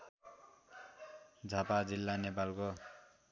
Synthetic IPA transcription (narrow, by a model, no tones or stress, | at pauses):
d͡zʱapad͡zilːanepalko